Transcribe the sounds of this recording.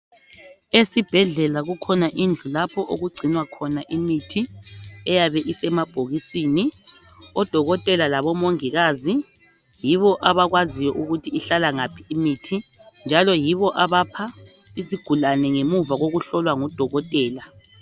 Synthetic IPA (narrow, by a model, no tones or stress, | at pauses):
esib̥ʱɛɮɛlaɣukʰɔnaʔind͡ɮʱulapʰɔʔoɣuɡ͡ǀʱinwakʰɔnaʔimitʰiɛjaβɛʔisɛmab̥ʱoɣisiːni | ɔd̥ʱɔɣɔtʼɛlalaβɔmoŋiɣaːzi | jiβɔʔaβaɣwazijɔʔuɣutʰiːɬalaŋapʰiimiːtʰind͡ʒʱalɔjiβɔʔaβapʰaiziɡ̥ʱulanɛŋemuvaɣoɣuɬɔlwaŋɔd̥ʱɔɣɔtʼɛːla